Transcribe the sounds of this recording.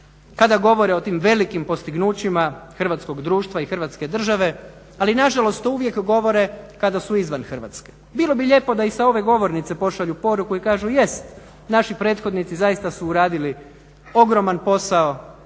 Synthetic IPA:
kad̪aɡo̞ʋo̞ɾeot̪iːmʋe̞likimpo̞st̪iɡnuːt͡ɕimaxr̩ʋat̪sko̞ɡd̪ɾuːʃt̪ʋaixr̩ʋat̪ske̞d̪r̩ʒaʋe̞ | alinaʒalo̞st̪uʋjekɡo̞ʋo̞ɾe̞kad̪asuizʋanxr̩ʋa̰t̪ske̥ | bilˠo̞biʎe̞po̞d̪aisao̞ʋe̞ɡo̞ʋo̞ɾnit̪sepo̞ʃaʎupo̞ɾukuikaːʒuje̞st̪ | naʃipɾe̞ːt̪xo̞d̪nit̪sizajist̪asuːɾaːd̪ili | o̞ɡɾo̞manpo̞sao

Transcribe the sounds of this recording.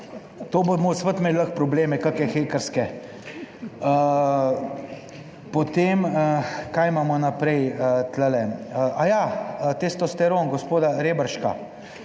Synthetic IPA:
t̪oːbomosʋət̪mɛd̪ləxpɾɔbleːmɛkakɛxeːkəɾskɛ | ə | pot̪eːməkajmaːmɔnapɾɛjət̪ləlɛəʔajaət̪est̪ɔst̪ɛɾoŋɡospoːd̪aɾeːbəɾʃka̰

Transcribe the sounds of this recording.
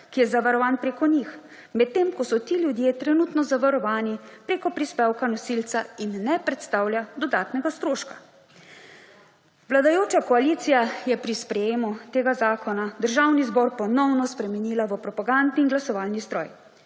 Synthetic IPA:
kijɛzaʋaɾɔʋaːnpɾeːkɔnix | mɛt̪̚t̪ːemkɔsɔt̪iːlʲjud̪jet̪ɾɛnuːt̪nɔzaʋaɾɔʋaːnipɾeːkɔpɾispɛwkanɔsilt̪sainːɛpɾɛt̪st̪awljad̪ɔd̪aːt̪nɛɡast̪ɾoːʃkḁ | ʋlad̪ajoːt͡ʃakɔaliːt̪sijajɛpɾispɾɛjeːmut̪eːɡazaːkʰɔnad̪əɾʒawnizbɔɾpɔnɔwnɔspɾɛmɛniːlaʋəpɾɔpaɡand̪niːnɡlasɔʋaːlnist̪ɾɔ̰ːj

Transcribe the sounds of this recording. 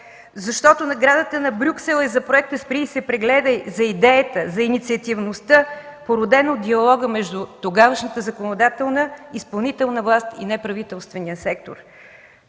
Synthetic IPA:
zɐʃt̪ɔt̪ʊnɐɡɾad̪ət̪ənɐbɾʲuksɛlˠɛzɐpɾoɛk̚t̪əspɾʲisɛpɾɛɡlɛd̪əjzɐid̪ɛjət̪əzɐinit̪siət̪ivnost̪əpoɾʊd̪ɛnod̪d̪iɐlˠɔɡəmɛʒd̪ʊt̪oɡavəʃnət̪əzɐkonod̪at̪ɛlˠnəispɐlˠnit̪ɛlˠnəvlˠast̪ḭnɛpɾɐvit̪ɛlˠst̪vɛniəsɛk̚t̪o̰ɾ

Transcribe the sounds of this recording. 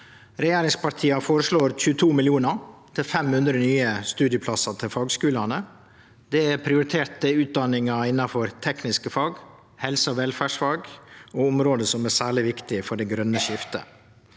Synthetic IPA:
ɾɛjeːɾɪŋspɑʈ̪ʰiːɑfoːɾəʂɭoːɾc͡çʉːət̪ʰuːmɪlɪuːnɑt̪ʰɪlfɛmhʉnd̪ɾənyːəst̪ʉːd̪jəpʰlɑsɑt̪ʰɪlfɑːɡskʉːlɑnə | d̪ɛæɾpʰɾɪʊɾɪt̪ʰeːʈəʉːt̪̚d̪ɑnɪŋɑɪnːɑfɔɾt̪ʰɛknɪskəfɑːɡ | hɛlsəɔʋɛlfæʂfɑːɡoʊmɾoːd̪əsɔmæːsæːɭɪʋɪkt̪ɪfɔɖɛɡɾœnəʃɪft̪ə̰

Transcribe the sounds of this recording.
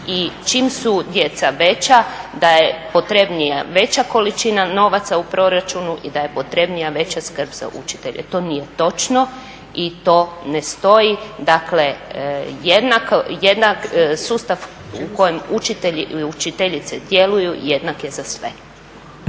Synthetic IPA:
it͡ʃiːmsud̪je̞t̪saʋe̞t͡ɕad̪ajepo̞t̪ɾe̞bnijaʋe̞t͡ɕako̞lit͡ʃinano̞ʋat̪saupɾʔo̞ɾat͡ʃunuʔid̪aje̞po̞t̪ɾe̞bnijaʋe̞t͡ɕaskr̩bza̰ʔṵt͡ʃi̥t̪e̞̰ʎḛt̪o̞ːnije̞t̪o̞t͡ʃno̞ | it̪o̞ːnest̪o̞jid̪akle̞ | jed̪nakjed̪naksuːst̪aʋ | uko̞jemut͡ʃit̪eʎiut͡ʃit̪eʎit̪sed̪je̞lujuje̞d̪nakje̞zasʋe̞̰

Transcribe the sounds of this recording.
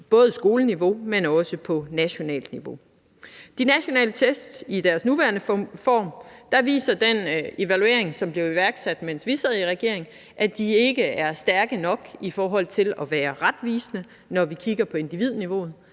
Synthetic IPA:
b̥ɔ̽ːð̞̩ˠəsɡ̥o̝ːləniʋo̝menɒ̽səpʰɒ̽næɕo̝nɛ̰ːld̥niʋo̝ | d̥inæɕo̝nɛ̰ːlət͡sʰesd̥id̥æɐsnuʋæɐnəfɒ̰ːmd̥ɑ̈ʋḭːsɐd̥ene̝ʋælue̝̰ɐ̰e̝ŋsɒ̽mb̥le̝ʊiʋæɐɡ̥sæd̥mensʋisɐð̩ˠiʁɛɡ̥e̝ɐ̰e̝ŋ | ʔæd̥ie̝ɡ̥əæɐsd̥æɐɡ̥ənɒ̽ɡ̥ifɒːɦɒ̽l̰t͡sʰe̝lɒ̽ʋæːɐʁad̥ʋiːsnə | nɒʋikʰiɡ̥ɐpʰɒ̽e̝nd̥iʋið̞̰ˠniʋo̝ːð̞̩ˠ

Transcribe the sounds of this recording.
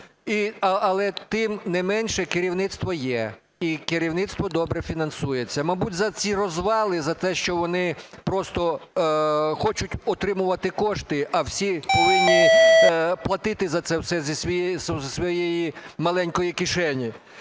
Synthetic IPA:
iɐlˠɛt̪ɪmnɛmɛnʲʃɛkɪɾʲiwnɪt̪st̪ʋɔjɛ | ikɪɾʲiwnɪt̪st̪ʋɔd̪ɔbɾɛfʲinɐnsujet͡sʲːɐmɐbutʲzɐt͡sʲirɔzʋɑlˠɪzɐt̪ɛʃt͡ʃɔʋɔnɪpɾɔst̪ɔ | xɔt͡ʃʊtʲɔt̪ɾɪmʊʋɐt̪ɪkɔʃt̪ɪʔɐwsʲipɔʋɪnːɪ | plˠɐt̪ɪt̪ɪzɐt̪sɛwsɛzʲisʲʋʲiszʲsʋɔjɛjimɐlˠɛnʲkɔjikɪʃɛnʲi

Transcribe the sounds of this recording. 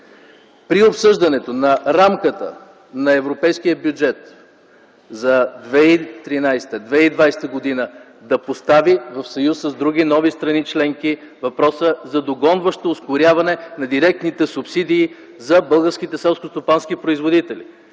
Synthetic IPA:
pɾiopsɤʒd̪ɐnɛt̪onɐɾamkət̪ə̰ | nɐɛvɾopɛjsk̟ijəbjud͡ʒɛt̪ | zɐd̪vɛit̪ɾinajst̪əd̪vɛid̪vajst̪əɡod̪inə | d̪ɐpost̪avivɐfsɐjusːɐzd̪ɾuɡ̟ʲinɔvist̪ɾɐnit͡ʃlɛŋki | vɐpɾɔsəzɐd̪oɡɔnvəʃt̪oːskʊɾʲjavɐnɛnɐd̪iɾɛk̚t̪nit̪ɛsupsid̪iː | zɐbɤlˠɡəɾsk̟it̪ɛsɛlˠskost̪opansk̟ipɾoizvod̪it̪ɛlḭ

